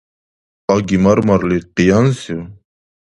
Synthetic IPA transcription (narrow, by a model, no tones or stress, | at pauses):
aɡimaɾmaɾliqijansi